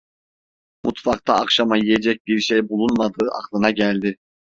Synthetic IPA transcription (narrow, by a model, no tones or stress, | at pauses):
mʔut̪fɑkt̪ʰaːkʃamajijed͡ʒɛc̚biɾʃejbulˠunmad̪ɯːʔɑ̰qlˠɯnaɟælʲd̪ɪ